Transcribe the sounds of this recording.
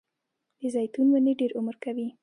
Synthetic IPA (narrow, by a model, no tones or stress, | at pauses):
d̪̥əzajt̪unwaneɖeɾʔʊməɾkawi